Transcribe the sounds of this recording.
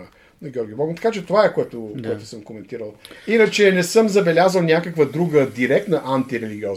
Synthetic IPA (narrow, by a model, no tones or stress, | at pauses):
nɐɡʲjɔɾɡʲɪbɔɡʊt̪ɐ̥kat͡ʃɛt̪ovaɛkoɛt̪ʊkoɛt̪ʊ̥səmkomɛnt̪iɾəlˠinət͡ʃɛnɛsɤmzɐbɛlʲazəlˠnʲakəkvəd̪ɾuɡəd̪iɾɛkt̪nɐʔant̪iɾɛliɡʲiɔz